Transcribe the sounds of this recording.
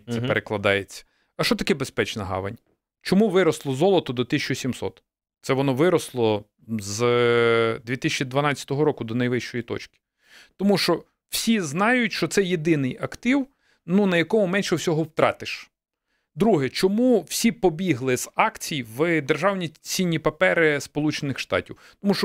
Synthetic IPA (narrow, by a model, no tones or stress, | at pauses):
ɛpeɾʔeklˠɐd̪ɑjet͡sʲːɐ̥ | ɐʃɔt̪ɐkɛbespɛt͡ʃnɐɦɑ̰ʋɐ̰nʲ | t͡ʃɔmuʋɪɾɔslˠɔzɔlˠɔt̪ɔd̪ɔt̪ɪsʲt͡ʃɔsʲimsɔ̰t̪ | t̪sɛʋɔnɔʋɪɾɔslˠɔ | z | d̪ʲʋʲit̪ɪsʲt͡ʃid̪ʋɐnɑt͡sʲːɐ̥t̪ɔɦɔɾɔkʊd̪ɔnɐjʋɪʃt͡ʃɔjit̪ɔ̰t͡ʃkʲɪ̥ | t̪ɔmuʃɔ | w̥sʲiznɑjʊtʲʃt͡ʃɔt̪sɛjed̪ɪnɪjɐkt̪ɪw | nunɐjɐkɔmʊmɛnʃɛwsʲɔɦɔwt̪ɾɑ̰t̪ɪʃ | d̪ɾuɦɛt͡ʃɔmuw̥sʲipɔbʲiɦlˠɪz̥ɑkt͡sʲijʋɨd̪erʒɑwnʲit͡sʲinʲːipɐpɛɾɪspɔlˠut͡ʃenɪxʃt̪ɑ̰tʲiw | t̪ɔmuʃɔ